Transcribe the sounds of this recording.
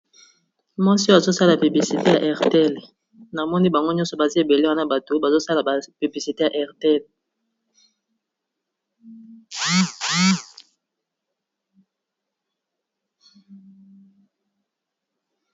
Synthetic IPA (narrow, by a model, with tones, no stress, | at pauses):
ma˦si˦a˨zo˦sa˦la˨py˨bli˨si˨te˦ja˨ʔɛ˨ʁte˦˨l | na˨mɔ˦ni˦ba˨ŋɡo˦ɲɔ˦sɔ˨ba˨zi˦e˨be˨le˦wa˦na˦ba˨to˨ba˨zo˦sa˦la˨ba˨py˨bli˨si˨te˦ja˨ʔɛ˨ʁte˦˨l